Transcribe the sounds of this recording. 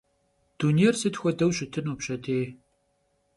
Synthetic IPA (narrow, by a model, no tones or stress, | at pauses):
d̥uniersɨtxʷɔdɐwɕɪtʰɨnupɕɐtʰeː